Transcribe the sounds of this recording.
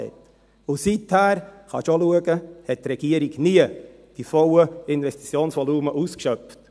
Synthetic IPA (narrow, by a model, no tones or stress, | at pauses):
ɛ̰t | ʊsithæːɾχɑ̰ʃoluəɡəhɛttɾɛɡ̥iəɾiɡniə | d̥ifɔwəɪnvɛsti̥t͡sjoːnsʋɔluːməʔuːskʃœpft